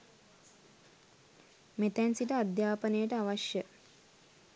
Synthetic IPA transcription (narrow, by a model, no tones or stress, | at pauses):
met̪ænsiʈəad̪jaːpənejəʈəaʋaʃjə